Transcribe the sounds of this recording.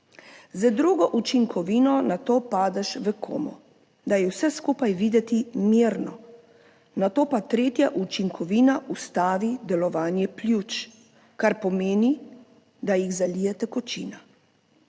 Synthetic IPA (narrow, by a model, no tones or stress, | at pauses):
zad̪ɾuɡɔʔut͡ʃiŋkʰɔʋiːnɔnat̪oːpaːd̪ɛʃʋɛkʰo̰ːmɔ̰ | d̪ajɛwsɛskuːpajʋiːd̪ɛt̪imiɾnɔ | nat̪oːpat̪ɾeːt̪jaʔut͡ʃiŋkʰɔʋiːnaʔust̪aːʋid̪ɛlɔʋaːnjɛplʲjut͡ʃ | kaɾpɔmeːni | d̪ajiɣzalijɛt̪ɛkɔt͡ʃḭːna